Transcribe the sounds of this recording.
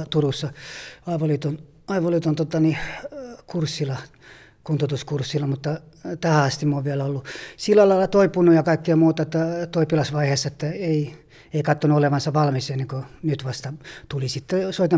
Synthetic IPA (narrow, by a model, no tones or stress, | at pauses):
t̪urusːɑɑiʋolit̪on | ɑiʋolit̪ont̪ot̪ɑni | kursːilɑ | kunt̪ot̪uskursːilːɑmut̪ːɑ | t̪æhæɑst̪imːuoʋʋiælæolːusilːælɑilɑt̪oipunujɑkɑikːiɑmuːt̪ɑet̪ːæt̪oipilɑsʋɑiheːsːɑet̪ːæei | eikɑt̪ːonuoleʋɑnsɑʋɑlmisenːeŋkonyt̪ʋɑst̪ɑt̪ulisit̪ːesoit̪e